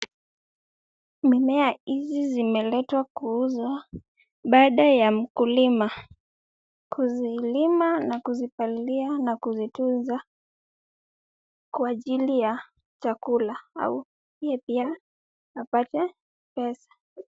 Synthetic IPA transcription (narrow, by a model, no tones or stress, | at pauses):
mimɛahizizimɛlɛtwakuuza | ɓaɗajam̩kulima | kʰuzilimanakuzipalianakuzitunza | kwaʄilija | t͡ʃakulaa̰u | iɛpiaː | patɛ | pɛsḁ